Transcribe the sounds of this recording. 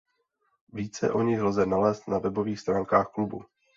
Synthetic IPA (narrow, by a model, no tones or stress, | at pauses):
viːt͡sɛ̰ʔo̞ɲɪxlzɛnalɛːst̪navɛbo̞viːxst̪ɾaːŋkaːxklubu